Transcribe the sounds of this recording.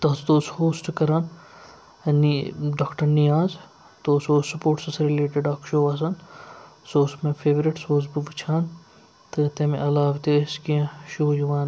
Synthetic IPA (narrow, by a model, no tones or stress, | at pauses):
t̪ɐsd̪oːshoːsʈkɐɾaːn | niɖaːkʈɐɾnijaːz | t̪oːsoːssɐpoːɾʈsɐsɾɪleːʈɪɖaːkʃoːʋaːs̬ɐn | soːsmefʰeːʋɾɪʈsoːsbuʋit͡ʃʰaːn | t̪ɨt̪emẽʔɐlaːʋt̪eːskiãʃoːjuʋaːn